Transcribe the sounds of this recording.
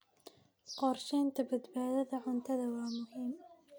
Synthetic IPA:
qɑɾˤʃeːnt̪abɪt̪baːd̪aðaʕʊnt̪aðawaːmʊhiːm

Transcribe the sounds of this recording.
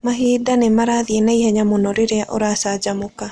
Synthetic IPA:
maɦiːdanemaɾaːðienaihɛɲamonɔɾeɾeaʔoɾaːsaːd͡ʒamoka

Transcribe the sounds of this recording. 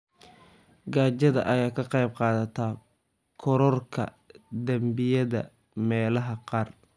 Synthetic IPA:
ɡaːt͡ʃɐðɐ̰ʔɐjaːkʰɐqɑjb̚qɑːðɐt̪ʰaː | kʰɔɾɔrkʰɐ̰ | d̪ɐmbɪjɐðɐ̰ | mɛːlɐɦɐqɑːr

